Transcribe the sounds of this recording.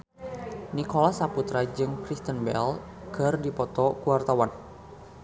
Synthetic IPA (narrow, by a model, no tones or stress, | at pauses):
nikɔlasaput̪ɾad͡ʒɨŋkɾist̪ənbɛ̰l | ɡ̥ə̤rdipɔt̪ɔkuwart̪awan